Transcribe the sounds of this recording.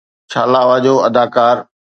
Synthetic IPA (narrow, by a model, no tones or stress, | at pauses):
ʃʰaːlaːʋad͡ʑoːɐd̪aːkaːɾ